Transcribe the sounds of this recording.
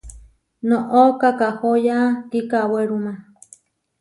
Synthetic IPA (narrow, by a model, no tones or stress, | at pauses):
nõʔokakahojat̪ikaweɾuma